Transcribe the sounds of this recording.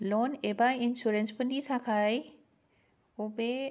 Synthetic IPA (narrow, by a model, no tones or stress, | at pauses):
lɔːneːbaːɪnʃuːɾẽnspɐnisʰãkʰaːi | ʊbe